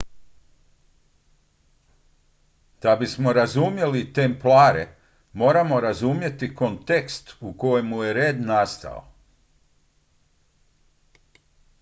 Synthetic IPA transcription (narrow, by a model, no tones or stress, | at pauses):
d̪̥abismo̞ɾazumje̞lit̪emplaːɾḛ | mo̞ːɾamo̞ɾazumje̞t̪iko̞nt̪ekst̪uko̞jemːuje̞ɾeːd̪nast̪a̰o̰